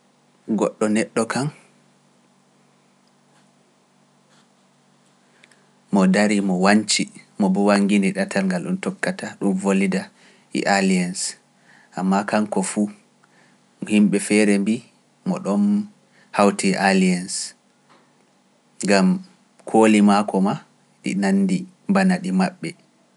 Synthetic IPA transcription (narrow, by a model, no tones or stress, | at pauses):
ɡɔ̰ɗːɔnɛɗːɔkʰan | mɔdaɾimɔwaɲt͡ʃimɔbɔwaŋɡiniɗatʰalŋɡalɗumtɔkːataɗumvolida | ḭʔalians | ʔamːakaŋkɔfu | himɓɛfɛɾɛmbi | mɔ̰ɗɔn | hawtiʔalians | ŋɡam | kʰoːlimakɔma | ɗḭnanːdi | mbanaɗimaɓːɛ